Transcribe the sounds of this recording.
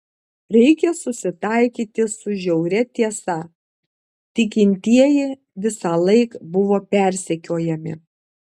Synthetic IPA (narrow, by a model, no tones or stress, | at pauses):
ɾʲɛɪkʲɛsʊsʲɪt̪ɑˑɪkʲiːt̪ʲɪsʊʒʲɛʊɾʲɛt̪ʲiɛsɐ | t̪ʲɪkʲɪnʲt̪ʲiɛjɪ | ʋʲɪsɑːlˠɐɪkbʊʋoːpʲɛˑɾʲsʲɛkʲoːjɛmʲɪ̰